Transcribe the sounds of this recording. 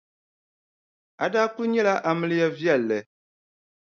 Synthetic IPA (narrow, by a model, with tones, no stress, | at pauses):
a˨daː˦k͡pʊ˦lɲɛ˦la˦ʔa˨mɨ˦lɨ˦ja˦vjɛ˦˨lːɛ˨